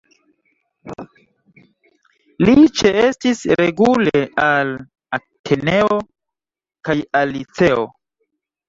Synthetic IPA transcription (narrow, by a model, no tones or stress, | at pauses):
lit͡ʃeestisɾeɡuleal | atʰene̞o̞ | kajalit͡se̞o̰